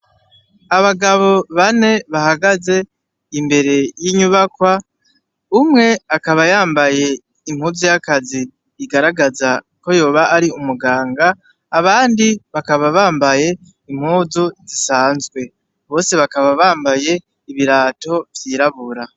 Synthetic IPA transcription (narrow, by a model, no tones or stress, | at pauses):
aβaɡaβo̞βane̞βahaɡaze̞ | imbe̞ɾe̞jiɲuβakwa | umŋe̞akaβajaːmbaje̞ | im̥huvzojakaziː | ɡaɾaɡaza | ko̞jo̞ːβaʔːɾiumuɡaːŋɡaː | βaːndiβakaβaβaːmbaje̞ | im̥huːzuzisaːnzɡwe̞ | βo̞ːse̞βakaβaβaːmbaje̞ | iβiɾaːto̞vjiːɾaβuɾa